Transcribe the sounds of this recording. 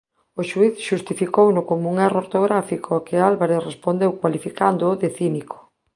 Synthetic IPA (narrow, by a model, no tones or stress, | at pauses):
oʃuiθʃust̪ifikownʊkomuŋɛrooɾt̪oɣɾafikʰoakɪalβaɾeθrespond̪ewkwalifikand̪oːðeθinikʰo̥